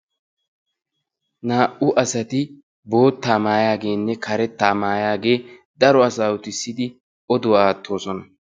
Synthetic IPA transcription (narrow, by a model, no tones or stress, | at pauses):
naːʔʊʔɐsɐt̪ɪ | bo̞ːt̪ːaːmaːjaːɡe̞ːnːɛkʰɐɾɛt̪ːaːmaːjaːɡe̞ː | d̪ɐɾɔɐsaːwʊt̪ɪsːɪd̪ɪ | ɔd̪ʊwaːt̪ʰːo̞ːsɔnɐ